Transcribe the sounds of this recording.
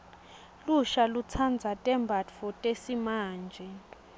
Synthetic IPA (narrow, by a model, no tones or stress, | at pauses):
luʃalut͡sʰand͡zʱatʼɛmbʱatfɔtʼesimaːnd͡ʒʱɛ